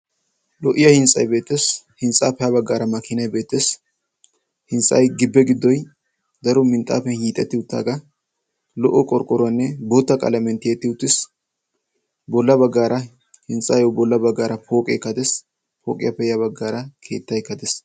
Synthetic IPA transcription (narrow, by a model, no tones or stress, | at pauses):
lɔʔɪjɐhɪnsʼɐ̰jbe̞ːt̪ːes | hɪnsʼaːpɛjɐbɐɡːaːɾɐmɐkːɪnɐjbe̞ːt̪ːeːs | hɪnsʼɐjɡɪbːɛɡɪd̪ːɔj | d̪ɐɾɔmɪnt̪ʼa̰ːfɛnhiːt̪ʼːɛt̪ːɪʊt̪ːa̰ːɡɐ | lɔʔɔkʼɔɾkʼɔɾʊɐnːɛboːt̪ːɐkʼɐ̰lɐmɛnt̪ːɪjet̪ːɪʊt̪ːɪs | bɔlːɐbɐɡːaːɾɐ | hɪnsʼaːjɔwbɔlːɐbɐɡːaːɾɐpʰo̞ːkʼekːɐd̪ɛs | pʰoːkʼɪjɐpːɛjɐβɐɡːaːɾɐkʰe̞̰ːt̪ːɐjkːɐd̪ɛs